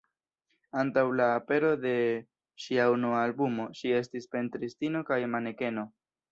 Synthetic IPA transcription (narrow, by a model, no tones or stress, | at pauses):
antawlaːpe̞ɾo̞de̞ | ʃiaunuaːlbumo̞ʃie̞stispe̞ntɾistino̞kajmane̞ke̞no̞